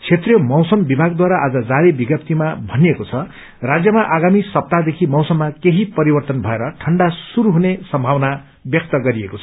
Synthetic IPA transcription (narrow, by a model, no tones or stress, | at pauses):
t͡sʰet̪rjʌmʌwsʌmbibʱaɡ̚d̪waɾaʔad͡zʌd͡zaɾebiɡjʌpt̪ʰimabʱʌnijekot͡sʰʌ | rad͡zjʌmaʔaɡamisʌp̚t̪ad̪ekʰimʌwsʌmːakeɦipʌɾibʌrt̪ʌnbʱʌeɾʌʈʰʌɳɖasuɾuɦunesʌmbʱawna | bjʌk̚t̪ʌɡʌɾiekot͡sʰʌ